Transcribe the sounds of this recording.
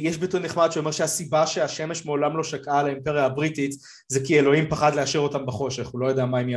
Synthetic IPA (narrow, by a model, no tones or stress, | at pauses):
jeʃbituʁneχmad̪ʃuo̞meʃehasibaʃeaʃeme̞ʃmeo̞lamlo̞ʃakʔalaempeʁjaːabʁitit | zekielo̞impaχad̪leaʃiʁo̞tambaχo̞ʃe̞χulo̞jod̪eamaimja